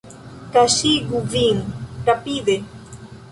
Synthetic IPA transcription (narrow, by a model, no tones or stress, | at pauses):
kaʃiɡuviŋkapiðe